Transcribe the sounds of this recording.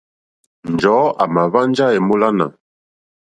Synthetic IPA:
n˨d͡ʒɔː˨˦a˨ma˨βa˦n˦d͡ʒa˦e˨mo˦la˦na̰˨

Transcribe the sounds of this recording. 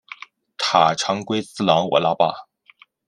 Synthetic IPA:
t̪ʰa˨˩ʈ͡ʂʰɑ˧˥ŋkwe˥ɪt͡sɹ̩˥˩lɑ˧˥ŋwɔ̰˨˩la˥pa̰˥˩

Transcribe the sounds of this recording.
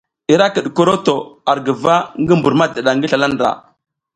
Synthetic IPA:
i˨ɾa˦kə˨ɗko˦ɾo˦to˨a˨ɾɡə˨va˦ŋɡə˦mbu˨ɾma˦də˨ɗa˨ŋɡə˦ɬa˨la˦ndɾa̰˨

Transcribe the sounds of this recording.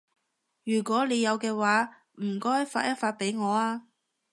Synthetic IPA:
jyː˨˩kʷɔː˨˥le˨˧jɐ˨˧wkɛː˧waː˨˥ | m̩˨˩kɔː˥jɐ˥tfa̰ː˧t̚jɐ˥t̚faː˧t̚pe˨˥jŋɔː˨˧aː˧

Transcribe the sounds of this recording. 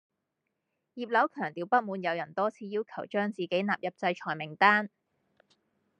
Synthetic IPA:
jiː˨p̚lɐ˨˥wkʰœː˨˩ŋt̪iː˨˧wpɐ˥t̚muː˨˧njɐ˨˧wjɐ˨˩nt̪ɔː˥t͡sʰiː˧jiː˥wkʰɐ˨˩wt͡ʃœː˥ŋt͡siː˨ke˨˥jnaː˨p̚jɐ˨p̚t͡sɐ˧jt͡ʃʰɔː˨˩jmɪ˨˩ŋt̪aː˥n

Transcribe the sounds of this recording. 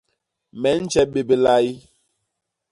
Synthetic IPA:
mɛ˨˦n̩˦t͡ʃɛ˦ɓe˨be˨la˦i˦

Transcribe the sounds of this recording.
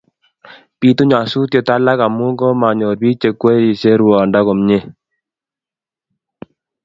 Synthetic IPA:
pi˦tu˦ɲa˨su˦tjo˨ta˦la˦ka˨mu˦ŋɡɔ˦ma˨ɲo˨ɾbiː˦t͡ʃe˨kwe˦i˨se˦ɾwɔ˨nda˦kɔ˨mɲe˦

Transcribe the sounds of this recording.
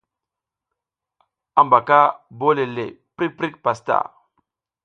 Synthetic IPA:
a˨mba˨ka˦bo˦le˨lḛ˨ | pɾi˦k̚pɾi˦k̚pa˨sta̰˨

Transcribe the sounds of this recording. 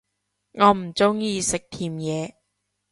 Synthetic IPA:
ŋɔː˨˧m̩˨˩t͡sʊ˥ŋjiː˨˧sɪ˨k̚t̪ʰiː˨mjɛː˨˧

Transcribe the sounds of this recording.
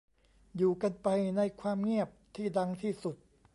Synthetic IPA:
juː˨˩ka˧npa˧jna˧jkʰwaː˧mŋi˥˩ɐp̚t̪ʰiː˥˩da˧ŋt̪ʰiː˥˩su˨˩t̪̚

